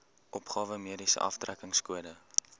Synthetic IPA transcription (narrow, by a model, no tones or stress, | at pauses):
ʔɔpχɑːvəmiədisə̰ʔɐ̰ftrækəŋskuədə